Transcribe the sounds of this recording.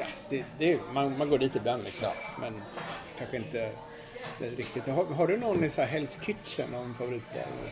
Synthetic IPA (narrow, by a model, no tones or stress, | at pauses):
ad̪̥ɛd̪ɛmanmanɡoːɖiːt̪ɪb̪anːlɪksɔmmɛnkʰanɧəɪnt̪ə | d̪ɛɾɪkt̪ɪt̪haɦaɖɵnɔnːɪsɔnæɦɛlskʰʏt̪ʂə̰nɔmfavʊɾiːt̪bɑ̰ːɾ̰nə̰